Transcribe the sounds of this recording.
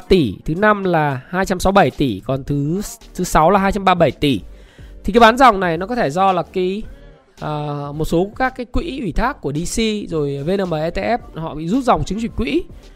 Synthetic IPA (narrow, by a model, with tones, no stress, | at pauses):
t̪i˧˩t̪ʰɨ˨˦na˧mlaː˨˩haː˧jt͡ɕa˧msa˨˦wɓə˧˩jt̪i˧˩kɔ˨˩nt̪ʰɨ˨˦t̪ʰɨ˨˦sa˨˦wlaː˨˩ɦaː˧jt͡ɕa˧mɓaː˧ɓə˧˩jt̪i˧˩t̪ʰi˨ka˨˦ɓaː˨˦nza˨˩wŋ͡mna˨˩jnɔ˨˦kɔ˨˦t̪ʰe˧˩zɔ˧laː˨˩ki˨˦ | ʔəː˨˩mo˨˩t̚so˨˦kaː˦˥kːaː˨˦jkwḭ˧˥ʔwi˧˩t̪ʰaː˦˥kːu˧˩əɗi˧si˧zo˨˩jve˧nəː˧˩məː˨˩ʔɛ˧t̪e˧ʔɛ˦˥p̚hɔ̰˧˨ɓḭ˧˨zu˦˥t̚za˨˩wŋ͡mt͡ɕɨ˨˦ŋt͡ɕwḭ˧˩˨ŋ̟kwḭ˧˥